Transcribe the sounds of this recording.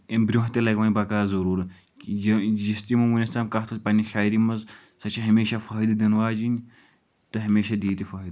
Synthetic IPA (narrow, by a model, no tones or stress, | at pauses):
embɾʲuɦt̪ʲilɐɡʋɐːnʲbɐkaːzɐɾuːɾ | jjist̪imɐwunʲɐst̪aːmkaɦt̪ʰɐpɐnʲiʃaːjɾimɐz | sɐt͡ʃʰiɦɐmeːʃafɐːɦid̪ɨd̪ɐnʋaːd͡ʒinʲ | t̪ɨɦɐmeːʃad̪iːt̪ifɐːɦid̪